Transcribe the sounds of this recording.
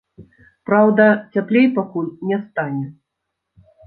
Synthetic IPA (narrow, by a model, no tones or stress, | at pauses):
pɾawd̪ɐt͡sʲaplʲejpakulʲnʲɛst̪anʲɛ